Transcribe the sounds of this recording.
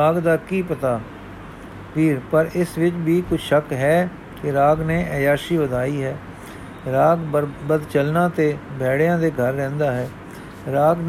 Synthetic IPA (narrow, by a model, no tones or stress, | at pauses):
aːɡd̪aːkiːpət̪aː | piːɾpəɾɪsʋɪt͡ʃbiːkʊt͡ʃʰʃəkɦɛː | kɪɾaːɡneːʔɛːjaːʃiːʋəd̪aːiːɦɛː | ɾaːɡbəd̪t͡ʃəlnãːt̪eːbɛːɽejãːd̪eːɡʱəɾːɛ̃ːnd̪aːɦɛː | ɾaːɡn